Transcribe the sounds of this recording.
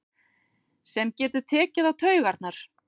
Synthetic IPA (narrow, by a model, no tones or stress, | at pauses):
sɛmcɛːt̪ʏɾt̪ʰɛːcɪðawt̪ʰœːɥɣaɾt̪naɾ̥